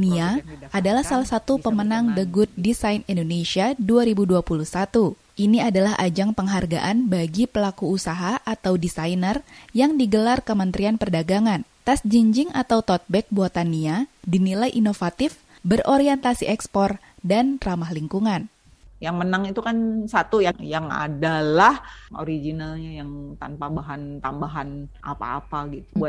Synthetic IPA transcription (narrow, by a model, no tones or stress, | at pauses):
niaʔadalahsalahsat̪upəmənaŋdəɡʊt̪̚disajnindonesiaduaɾibuduapuluhsat̪u | ʔiniadalaɦʔa̰d͡ʒaŋpəŋɦarɡa̰ʔanbaɡipəlakuːsaɦaʔat̪awdisajnərjaŋdiɡəlarkəmənt̪ɾianpərdaɡaŋant̪asd͡ʒiɲd͡ʒɪŋat̪awt̪ɔt̪̚bɛk̚buat̪aniadinilajʔinofat̪ɪf | bərʔoɾiɛnt̪asiʔɛkspɔr | danramaɦliŋkuŋan | jaŋmənaŋit̪ukansat̪ujajaŋa̰dalaho̰ɾiɡinalɲajaŋt̪anpabaɦant̪ambaɦana̰pa̰ːpaɡit̪ubua